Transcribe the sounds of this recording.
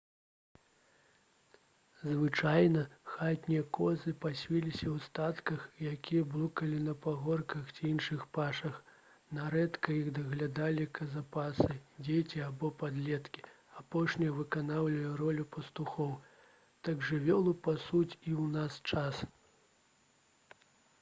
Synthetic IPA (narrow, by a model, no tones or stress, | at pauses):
zvɨt͡ʂajnɐxat̪ʲnʲijɐkɔzɨpasʲvʲilʲisʲɐwst̪at̪kɐxjakʲijɐblˠukɐlʲinɐpaɣɔrkɐxt͡sʲijinʂɨxpaʂɐx | naɾɛt̪kɐjiɣd̪ɐɣlʲad̪alʲikʰɐzapasɨd͡zʲet͡sʲiabɔpad̪lʲɛt̪kʲi̥ | apɔʂnʲɐjɐvɨkanawlʲɐjɛɾɔlʲupɐst̪uxɔw | t̪aɡʐɨvʲɔlˠupasut͡sʲiwnast͡ʂas